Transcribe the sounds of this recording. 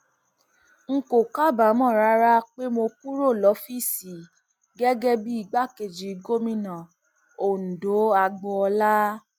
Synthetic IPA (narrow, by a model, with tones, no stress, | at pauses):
ŋ̩˦ko˨ka˦ba˨˦mɔ̃˦˨ɾa˦ɾa˦k͡pe˦mo˧ku˦ɾo˦˨lɔ˨˦fi˦˨si˨ | ɡɛ˦ɡɛ˦bi˦i˦˨ɡ͡ba˦ke˨d͡ʒi˨˧˦ɡo˦mĩ˧˦nã˨ | o˨n̩˨do˨˦a˧ɡ͡bɔ˧ɔ˧la˦